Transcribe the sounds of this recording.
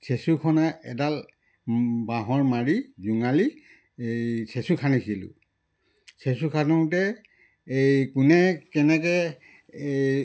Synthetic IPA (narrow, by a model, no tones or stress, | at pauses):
sesukʰɔnaʔɛ̰tal | baɦɔɹmaɹizuŋali | sesukʰanisilʊ̰ | sesukʰanɔtɛ | ejkunɛkɛnɛkɛ